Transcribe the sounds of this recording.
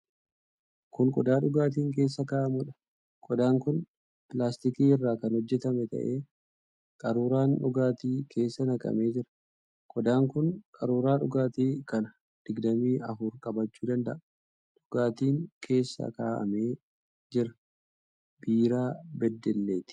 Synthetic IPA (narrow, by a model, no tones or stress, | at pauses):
kʊŋkʼɔd̪aːᶑʊɡaːt̪̬iːŋk̬e̞ːs̬ːɐkaːʔɐmʊᶑɐ̥ | kʼɔd̪aːŋkʊn | pɪlaːst̪ɪkiːɪrːaːkɐnhɔd͡ʒːɛt̪ɐmɛt̪ɐ̰ʔeː | kʼɐɾuːɾaːnᶑʊɡaːt̪iːkʰe̞ːsːɐnɐkʼɐ̰me̞ːd͡ʒɪɾɐ̥ | kʼɔd̪aːŋkʊnkʼɐɾuːɾaːᶑʊɡaːt̪iːkɐnɐ | d̪̥ɪɡd̪ɐmiːɐfʊɾkʼɐbɐt͡ʃːuːd̪ɐnd̪ɐʔɐ | ᶑʊɡaːt̪iːŋkʰe̞ːsːɐ̰kaːʔɐ̰me̞ː | d͡ʒɪɾɐ̥ | b̥iːɾaːbɛd̪ːɛlːeːt̪ɪ̥